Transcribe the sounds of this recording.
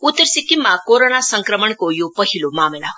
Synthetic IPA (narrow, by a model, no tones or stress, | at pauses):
ut̪ːəɾsikːimːakoɾonasəŋkɾəməɳkojopʌɦilomaːmela̰